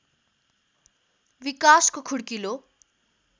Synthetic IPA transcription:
wikaskokʰuɽkilo

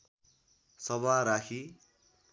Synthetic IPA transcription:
sʌβaɾakʰi

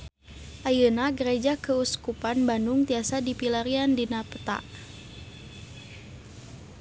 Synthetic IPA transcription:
ʔajənaɡəɾed͡ʒakəuskupanbanduŋt̪iasadipilaɾiandinapə̥t̪a̰ʔ

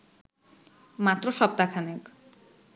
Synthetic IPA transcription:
mat̪rosʌp̚t̪akʰanek

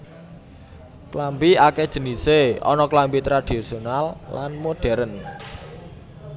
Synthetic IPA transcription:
klambiaked̥ʒ̥ə̤niseɔ̰nɔklambit̪ɾad̥isionalːa̰nmoɖ̥ɛ̤ɾən

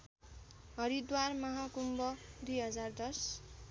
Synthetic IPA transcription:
ɦʌɾid̪warmʌɦakumbʌd̪ujɦʌd͡zard̪ʌs

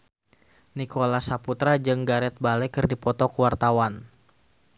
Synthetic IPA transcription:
nikolasaput̪ɾad͡ʒɨŋɡaɾɛt̪̚balɛkɨrdipɔt̪ɔkuwart̪awan

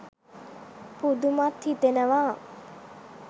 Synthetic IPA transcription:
pud̪umat̪hit̪enəʋa

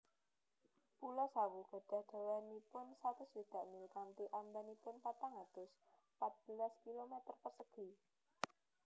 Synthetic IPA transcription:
pulɔsawuɡ̥a̤ɖ̥a̤hd̥a̤wanipʊnsat̪ʊsbid̪̥a̤ʔnikant̪iʔand̪anipʊnpat̪aŋad̪̥ʊs | pat̪̚b̥əlaskilomet̪ərpərsəɡ̥i̤

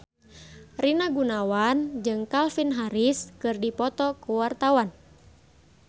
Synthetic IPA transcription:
rinaɡunawand͡ʒɨŋkalfinɦaɾiskɨrdipɔt̪ɔkuwart̪awan

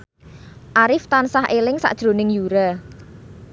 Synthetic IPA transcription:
ʔaɾɪft̪ansahelɪŋsa̰ʔd̥ʒ̥ɾo̤nɪŋjuɾa

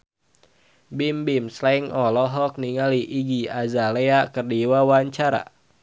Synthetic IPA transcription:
bimbimslaiŋɔlɔɦɔk̚niŋaliʔiɡiazaleakərdiwawaɲt͡ʃaɾa̰

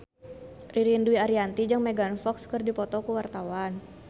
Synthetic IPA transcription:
riɾinduiaɾiant̪id͡ʒaŋmɛɡanfɔkskɨrdipɔt̪ɔkuwart̪awan

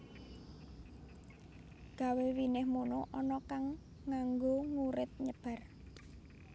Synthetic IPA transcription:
ɡ̥a̤wewinɪhmunoʔɔnɔkaŋː | aŋɡoŋuɾɪt̪̚ɲəb̥a̤r

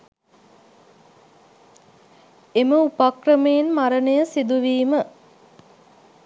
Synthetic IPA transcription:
eməupakrəmejenmaɾənəjəsid̪uʋiːmə

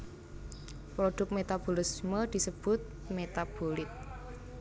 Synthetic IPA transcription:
pɾoɖ̥ʊ̤k̚t̪̚met̪ab̥olisməd̪̥i̤səb̥ʊt̪̚ | met̪ab̥olɪt̪̚

